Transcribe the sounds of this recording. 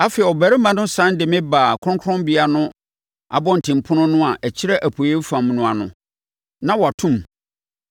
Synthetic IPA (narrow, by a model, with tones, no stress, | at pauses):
a˦fɛ˨ɛ˨ɔ˨bæ˨ɾɪ˦mã˦nʊ̃˦sã˦ndɪ˨mɪ̃˦baː˨kʰʊ̃˦kʰɔ̃˦mbi˨˦a˦nʊ̃˦ | a̰˨bɔ̃˦n̩˨tʰɪ̃˨m̩˨pʰʊ̃˦nʊ̃˦nʊ̃˦a˨ʔɛ˨t͡ɕʰɪ˦ɾɛ˦ʔæ˨pʰo˨je˦fã˨mnʊ̃˨a˨nʊ̰̃˨ | nã˦wɔ˨a˨tʰũ˦m